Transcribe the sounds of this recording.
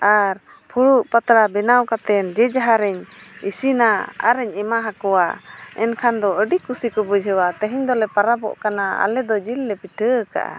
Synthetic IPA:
aɾ | pʰuɽuʔpat̪ɾabɛnawkat̪ɛnd͡ʒɛd͡ʒaɦaɾɛɲisinaa̰ɾɛɲɛmaɦakɔwaɛnkʰand̪ɔəɖikusikɔbud͡ʒɦəwat̪əɦiɲd̪ɔlɛpaɾabɔ̰ʔkanaa̰lɛd̪ɔd͡ʒilːɛpiʈʰəka̰ʔa̰

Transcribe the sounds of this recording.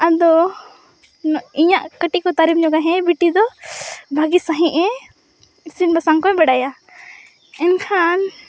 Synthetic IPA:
ad̪ɔ | iɲãʔkəʈikɔt̪aɾipɲɔɡaɦɛ̃biʈid̪ɔbʱaɡisaɦĩʔɛ̃ | sinbʱasaŋkɔɛ̃bɛɖaja | ɛnkʰan

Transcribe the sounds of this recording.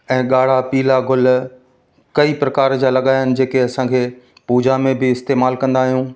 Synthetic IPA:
ɛ̃ːɠaːɽ̤apiːlaɡʊl | kɐipɾɐkaːɾd͡ʑalɐɠaːjənɪ̆d͡ʑeːkeɐsãkʰeː | puːd͡ʑamẽbɪɪst̪eːmaːlkɐ̃nd̪aːɦijũː

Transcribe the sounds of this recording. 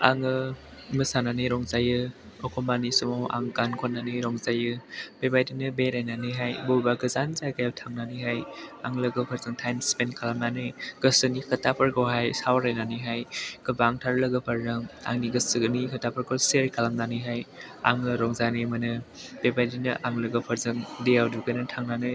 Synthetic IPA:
a̰ŋɯ | mɯsananɯjɾɔŋzajɯ | ɔkʰɔmanisɔmoʔa̰ŋkankʰɔnːanɯɾɔŋzajɯb̥ebajdinɯbeɾajnanɯjɦajbɔbaɡɯzanzajkʰajawtʰaŋnanɯɦajaŋləɡɯpʰaɾzɯŋtʰajmspenkʰalamnanɯjɡ̥ɯsɯnikʰɐtapʰəɾkʰowɦajsawɾajnanɯɦajɡ̥ɯbaŋtʰaɾlɐɡɯpʰaɾzɯŋa̰ŋniɡɐsɯnikʰətapʰəɾkʰowseɾkʰalamnanɯjɦaj | a̰ŋɯɾɔŋzanɯjmɐnɯb̥ebajdinɯʔaŋlɯɡɯpʰaɾzɯŋdejawduɡɯnɯtʰaŋnanɯj

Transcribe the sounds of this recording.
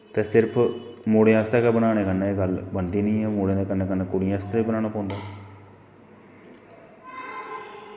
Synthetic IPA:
t̪ɛːsɪɾpʰ | moːɽeãːst̪aːkɛːbənaːneːkənːãːeːɡəlbənd̪iːnəĩːɛːmoːɽẽd̪eːkənːeːkənːãːkʊɽɪjãːst̪aːiːbənãːnaːpãːnd̪aː

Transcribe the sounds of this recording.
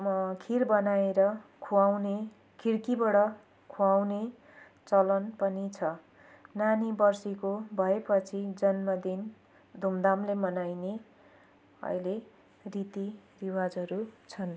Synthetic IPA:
kʰirbʌnaeɾʌkʰuawne | kʰiɽkibʌɽʌ | kʰuawne | t͡sʌlʌnpʌnit͡sʰʌ | nanibʌrsikobʱʌepʌt͡sʰid͡zʌnmʌd̪in | d̪ʱumd̪amlemʌnajne | ʌ̰jle | rit̪iriwad͡zʌɾut͡sʰʌn

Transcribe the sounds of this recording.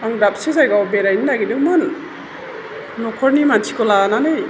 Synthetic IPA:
aŋɡɾap̚sezajɡawbeɾajnidaɡidɯŋmɯn | nɔkʰɔɾnimantʰi̥kɔlananɯj

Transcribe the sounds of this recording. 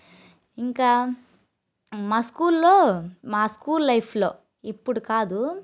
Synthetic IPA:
iŋkaː | maːskuːllo̞ːmaːskuːlːɐjpʰlo̞̰ː | ipːuɽukaːd̪u

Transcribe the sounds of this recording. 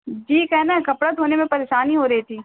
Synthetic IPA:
d͡ʒiːkɛːnakɐpɽət̪ɦoːnemẽpɐɾeːʃaːniɦoːɾɐɦit̪ʰiː

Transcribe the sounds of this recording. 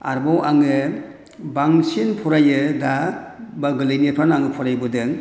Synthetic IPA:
a̰ɾbɔwʔaŋɯ | baŋsinpʰɔɾajɯdabaɡɯlɯjnipʰanaŋɯpʰɔɾajbɔdɯŋ

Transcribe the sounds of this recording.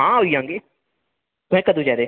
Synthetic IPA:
ɦãːɦoːiːãːŋɡeː | t̪ʊɦɛ̃ːkəd̪ũːd͡ʒaːɾeː

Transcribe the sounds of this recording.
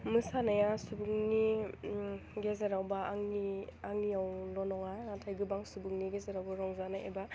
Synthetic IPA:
mɯsanajasubuŋni | ɡezaɾawbaŋniaŋnijawlɔnɔŋanatʰajɡɯbaŋsubɯŋniɡezaɾawbaɾɔŋzanaʔḛba

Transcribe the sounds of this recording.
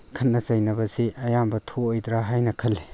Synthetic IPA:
kʰɐt̚nɐzajnɐbɐziʔɐjambɐtʰoɔjdɾaɦajnɐkʰɐlːe

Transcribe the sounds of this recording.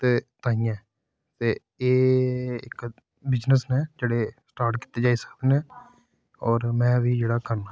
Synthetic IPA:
t̪eːt̪ãːijãɛː | t̪eː | eːɪ̰k | bɪd͡ʒnəsnẽːd͡ʒeːɽeːsʈaːɾʈki̥ːt̪ːeːd͡ʒaːiːsə̥kd̪enẽː | ɔːɾmɛ̃ːʋiːd͡ʒeːɽaːkəɾnaː

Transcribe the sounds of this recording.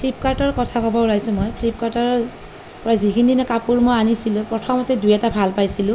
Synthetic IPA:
pʰlip̚kaɹtɔɹkɔtʰakɔbɔlajsʊ̃mɔjpʰlip̚kaɹtɔɹ | pɔɹazikʰindinɛkapuɹmojanisilʊ̃pɹɔtʰɔmɔtɛdujɛtabʱalpajsilʊ̃

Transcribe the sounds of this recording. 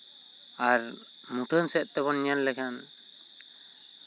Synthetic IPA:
aɾmuʈʰənsɛʔ̪̚ˀt̪ɛbɔnanlɛkʰan

